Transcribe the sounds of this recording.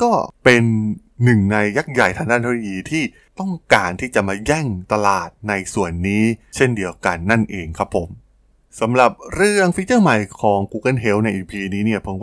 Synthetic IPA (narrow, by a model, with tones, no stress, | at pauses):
kɔː˥˩pe˧nː | ɯ˨˩ŋna˧jːa˦˥k̚ja˨˩jt̪ʰaː˧ŋdaː˥˩t̪ʰːjiː˧t̪ʰiː˥˩ | t̪ɔ˥˩ŋkaː˧nt̪ʰiː˥˩t͡ɕa˨˩maː˧jɛ˥˩ŋt̪a˧laː˨˩t̪̚na˧jsu˨˩ənːiː˦˥t͡ɕʰe˥˩ndi˧əwka˧nːa˥˩nʔeː˧ŋkʰa˦˥pʰːo˩˦m | sa˩˦mɾa˨˩p̚ɾɯ˥˩əŋfi˦˥t͡ɕɤː˥˩ma˨˩jkʰɔː˩˦ŋkuː˧ka˥˨nɦe˦˥wna˧jʔe˧pʰiː˧niː˦˥ni˥˩ɐpʰo˩˦ŋw